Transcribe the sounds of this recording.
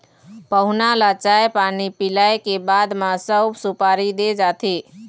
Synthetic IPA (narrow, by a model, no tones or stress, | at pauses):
pəɦʊnalat͡ʃaepanipilaekebad̪masəbsupaɾid̪ed͡ʒat̪ʰi